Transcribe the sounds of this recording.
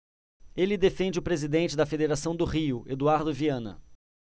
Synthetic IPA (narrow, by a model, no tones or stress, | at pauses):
elɪd̪efẽnd͡ʒɪʊpɾezid̪ẽnt͡ʃɪd̪ɐfed̪eɾasɐ̃w̃d̪ʊʁiʊʔed̪uaɾd̪ʊviɐ̃nɐ̰